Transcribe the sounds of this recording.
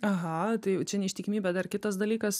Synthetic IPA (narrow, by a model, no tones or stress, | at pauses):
ɐɦɐt̪ɐɪjʊt͡ʃʲɛnʲɛɪʃʲt̪ʲɪkʲːmʲiːbʲɛːd̪ɐrkʲɪt̪ɐs̬d̪ɐlʲiːkɐs